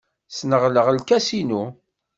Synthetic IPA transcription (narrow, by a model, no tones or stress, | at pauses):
snəʁləʁəlkæsinu